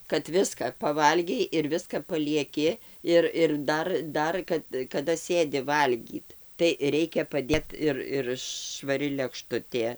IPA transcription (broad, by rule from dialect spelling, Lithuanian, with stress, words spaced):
kɐt ˈʋʲɪskɐ pɐˈʋɐlʲɡʲɛɪ ɪr ˈʋʲɪskɐ pɐlʲiɛˈkʲɪ ˈɪr ɪr ˈdɐr ˈdɐr kɐt kɐˈdɐ ˈsʲeːdʲɪ ˈʋɐlʲɡʲiːt tɐɪ ˈrʲɛɪkʲɛ pɐˈdʲeːt ɪr ɪr ʃʋɐˈrʲɪ lʲɛkˈʃtʊtʲeː